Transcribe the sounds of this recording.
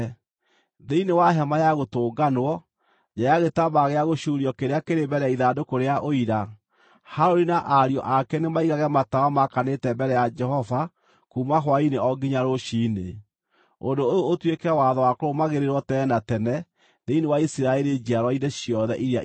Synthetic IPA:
ðeinewaɦɛmajaɣotoːɡanwɔ | d͡ʒajaɣetamaɣeaɣoɕuɾiɔkeɾeakeɾembɛɾɛjaiðadokoɾeaʔoiɾa | haɾoɾinaʔaɾijɔ̰ʔakɛnemaiɣaɣɛmatawamakanetɛmbɛɾɛjad͡ʒɛɦɔva | kumaɦwaineɔɡiɲaɾoʃine | ondoojoːtwekɛwaðɔwakoɾomaɣeɾeɾwɔtɛːnatɛnɛ | ðeinewaisiɾaɛɾed͡ʒiaɾwɔineɕjɔðɛʔiɾea

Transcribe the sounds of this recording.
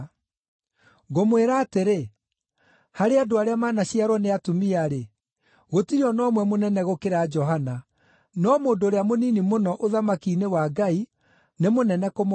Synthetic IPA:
ɣomweɾaːteɾe | haɾeadoaɾeamaːnaɕiaɾwɔneatumiaɾe | ɣotiɾɔnɔmwɛmonɛnɛɣokeɾaːd͡ʒɔɦana | nɔmoːndoːɾeamoninimonɔʔoðamakiːnewaɡai | nemonɛnɛkom

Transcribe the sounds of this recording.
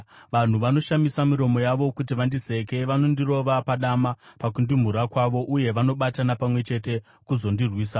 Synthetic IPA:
ʋan̤uʋano̞ʃamisamiɾo̞mo̞jaʋo̞kut̬iʋandise̞ke̞ʋano̞ndiro̞ʋapaɗamapakundim̤uɾakwaʋo̞ʔuje̞ʋano̞ɓatanapamwe̞t͡ʃe̞te̞ | kuzo̞ndirwiːsa

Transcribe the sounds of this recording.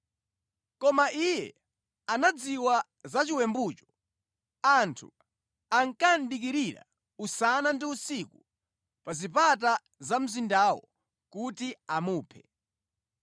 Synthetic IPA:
kɔmaʔijɛ̰ | anad͡ziwa | zat͡ʃiwɛmbut͡ʃɔ̥ | antʰu | aŋkan̩ɗik̬iɾiɾa̰ | usanandiusiku | pazipat̬a | zam̩zindawɔ̰ | kutiamuːpʰɛ

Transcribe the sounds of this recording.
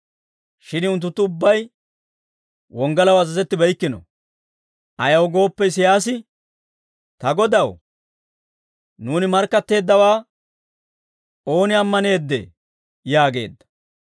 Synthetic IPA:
ʃɪnʊnt̪ːʊt̪ːʊʊbːɐj | wɔŋɡɐlɐwɐzɐzɛt̪ːɪbɐjkːɪnɔ̰ | ʔɐjɐwɡo̞ːpːɛɪs̬ɪjaːs̬ɪ | t̪ɐɡɔd̪ɐw | nuːnɪmɐɾkːɐt̪ːe̞ːd̪ːɐwaː | o̞ːnɪɐmːɐne̞ːd̪ːɛ̰ | jaːɡe̞̰ːd̪ːɐ̥

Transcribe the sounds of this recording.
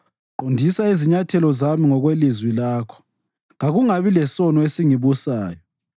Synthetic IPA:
ǃondʱisaiziɲatʰɛlɔzamiŋɔɣwelizwilaːkʰɔ̥ | ŋaɣuŋaβilɛsɔnɔesiŋiβusaːjɔ

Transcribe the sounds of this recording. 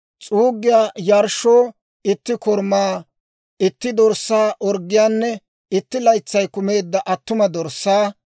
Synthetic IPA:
t͡sʼuːɡːɪjaːjɐɾʃoː | ɪt̪ːɪkɔɾmaː | ɪt̪ːɪd̪ɔɾsːaːʔɔɾɡːɪjaːnːɛ | ɪt̪ːɪlɐjt͡sːɐjkʊme̞ːd̪ːɐʔɐt̪ːʊmɐd̪ɔɾsːaː

